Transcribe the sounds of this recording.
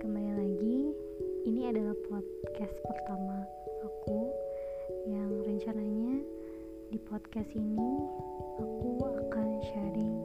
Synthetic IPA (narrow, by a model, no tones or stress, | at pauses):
kəmalinlaɡiː | niadalahpʰɔt̪kɛspərt̪ama | aku | jaŋrəɲt͡ʃanaɲa | dipɔt̪kɛsini | akuakanʃaɾɪŋ